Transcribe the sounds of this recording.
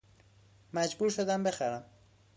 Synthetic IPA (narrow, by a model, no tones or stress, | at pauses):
mad͡ʒbuɾʃod̪ambɪxaɾam